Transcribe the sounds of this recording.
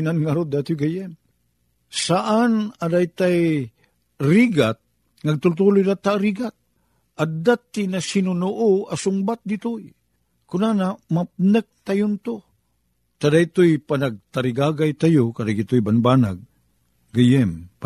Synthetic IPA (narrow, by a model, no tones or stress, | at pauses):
nanŋaɾot̪̚d̪at̪ujɡajɛm | saʔanadajt̪aj | ɾiɡat̪̚ | ŋaɡ̚t̪ʊlt̪̬ulʊjdat̪aɾiɡat̪̚ | ʔad̪at̪ːinasinʊnʊʔʊasʊŋbat̪̚d̪it̪ʊj | kʊnanamap̚nək̚t̪ajʊnt̪o | t̪ad̪ajt̪ojpanaɡ̚t̪aɾiɡaːɡajt̪ajʊkad̪aɡit̪ʊjbanbaːna̰ɡ̚ | ɡajɛm